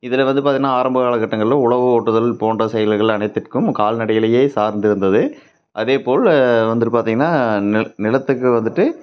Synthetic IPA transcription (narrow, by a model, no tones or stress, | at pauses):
ɪðɪlɐʋɐnd̪ɯpaːɾt̪iŋɡɐnːaːaːɾɐmbɐɣaːɭɐkːɐʈːɐŋɡɐɭlɐ̃ʊɭɐʋɯoːʈːɯðɐlpoːndrɐsɛjɐlɣɐɭɐɳɐɪt̪ːɪrkɯmkaːlnɐɽɐjɪlɐjeːsaːɾnd̪ɪɾɯnd̪ɐðɯ | ʔɐðeːpoːɭʋɐnd̪ɯʈːɯpaːɾt̪iŋɡɐnːaːnɪlɐt̪ːɯkːɯʋɐnd̪ɯʈːɯ